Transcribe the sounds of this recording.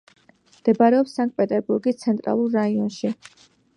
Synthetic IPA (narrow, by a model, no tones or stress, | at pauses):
md̪̥ɛbaɾɛɔpsaŋɡ̚pʼɛt̪ʼɛɾbuɾɡist̪sʰɛnt̪ʼɾa̰lˠuɾːaiɔnʃi